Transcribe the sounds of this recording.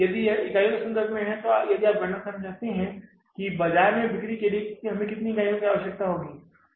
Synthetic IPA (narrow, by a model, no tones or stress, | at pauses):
jɐd̪iɪkaːjõkɪsɐ̃nd̪əɾɡmẽɦɛ̃t̪ojɐd̪ʱiaːp̚ɡɐɽnakɐnat͡ʃaːt̪eɦɛ̃ | kibɐd͡ʒaːɾmẽbɪkɾikelieɦɐmẽkɪt̪niɡaːjõkiaːʋəʃjək̚t̪aɦoːɡiː